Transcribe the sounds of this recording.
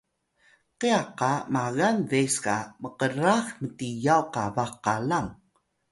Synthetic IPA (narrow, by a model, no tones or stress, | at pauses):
qiaqamaɣanveskaməqəɾaxmətijawqavaχqalaŋ